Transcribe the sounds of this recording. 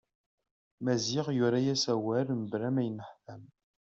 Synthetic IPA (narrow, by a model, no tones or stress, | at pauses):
mæziʁjʊɾajæsæwæɾməbɾæmæjənəħθæm